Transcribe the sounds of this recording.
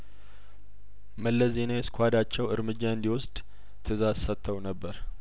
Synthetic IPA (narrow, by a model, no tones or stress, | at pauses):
məlːəzenajɛskʰʷad̪at͡ʃːɛwɨɾmɨd͡ʒːaɨnd̪iwʊsd̪̥ | t̪ʰɨzasət̪ʰːəwnəbːəɾ